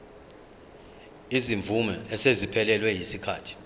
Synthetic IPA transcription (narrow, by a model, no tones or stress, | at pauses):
iziɱvumɛɛsezipʰɛlɛlwɛjisikʰaːtʰi̥